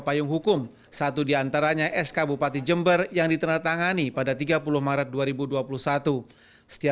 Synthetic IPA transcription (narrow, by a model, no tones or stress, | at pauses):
pajʊŋɦukʊm | sat̪udiant̪aɾaɲaʔɛskabupat̪id͡ʒəmbərjaŋdit̪ənərt̪aŋanipadat̪iɡapulʊhmaɾət̪̚duaɾibuduapulʊhsat̪u | sə̥t̪ia